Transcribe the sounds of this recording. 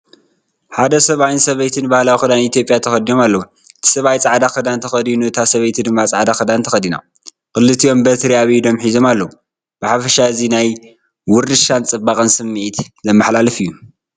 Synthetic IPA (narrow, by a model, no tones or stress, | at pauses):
ħad̪ɐsɐβajnsɐβɐjt̪ʰɨnbahlawixɨd̪anit̪jo̞pʼjat̪ʰɐxɐd̪ino̞malːɐwu | ɨt̪ʰi̥sɐβajt͡sʼaʕd̪axɐd̪ant̪ʰɐxɐd̪inut̪ʰasɐβɐjt̪ʰɨd̪ɨmːat͡sʼaʕd̪axɨd̪ant̪ʰɐxɐd̪ina̰ | kɨlːɨt̪ʰijo̞mbɐt̪ɾiaβd̪o̞mħizo̞malːɐwu | b̥ɨħafɐʃaɨzinaj | wʊɾd̪ɨʃant͡sʼɨbːakʼɨnsɨmːiʔit̪zɐmːɨħlalɐfijːu